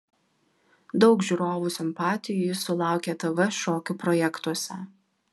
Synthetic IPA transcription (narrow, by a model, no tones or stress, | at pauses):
d̪ɒʊkʒʲuːɾoːʋusʲɪmpɑːt̪ʲɪjʊjɪsʊlˠɑˑʊkʲeːt̪ɐʋɐʃoːkʲʊpɾɔjɛkt̪uɔsʲɛ